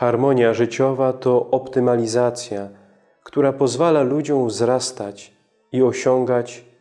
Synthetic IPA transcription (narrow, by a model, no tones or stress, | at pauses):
xaɾmɔɲjaʐɘt͡ɕɔvat̪ɔʔɔpt̪ɘmalʲizat̪sʲja | kt̪uɾapɔzvalalud͡ʑɔ̃w̃vzɾast̪at͡ɕ | iɔɕɔŋɡat͡ɕ